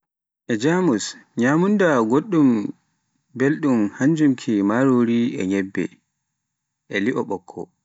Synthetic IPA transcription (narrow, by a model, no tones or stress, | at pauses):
ʔɛd͡ʒamusɲamundaɡoɗːum | belɗumhaɲd͡ʒumkʰimaɾoɾiɛɲɛbːɛ̰ | ʔɛliʔɔɓɔkʰːɔ̰